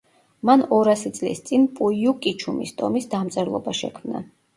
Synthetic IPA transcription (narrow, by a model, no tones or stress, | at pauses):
manɔɾasit̪sʼlḭst̪sʼinpʼujukʼit͡ʃʰumḭst̪ʼɔmisd̪amt̪sʼɛɾlˠɔ̰baʃɛ̰kʰmna̰